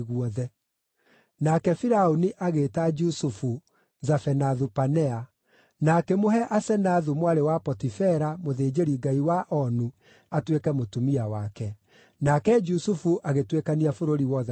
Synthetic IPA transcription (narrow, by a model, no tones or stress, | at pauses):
ɣuɔðɛ | nakɛfiɾaoniʔaɣeːtad͡ʒusufu | zafɛnaðupanɛa | nakɛmoɦɛʔasɛnaðumwaɾewapɔtifɛɾamoðeːd͡ʒeɾiɡaiwaʔɔnu | atwekɛmotumiawakɛ | nakɛd͡ʒusufuʔaɣetwekaniafoɾoɾiwɔðɛ